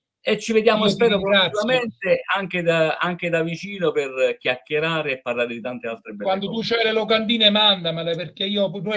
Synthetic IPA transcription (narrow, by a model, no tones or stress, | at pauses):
et͡ʃːived̪jaːmospɛːɾokoaiament̪eaŋked̪aaŋk̟ed̪avit͡ʃiːnoperk̟ʲjakːeɾaːɾeepːarlaːɾed̪it̪ant̪ealt̪ɾebwand̪ot̪ut͡ʃɛjlelokand̪iːnemand̪amalɛperk̟eiːopuno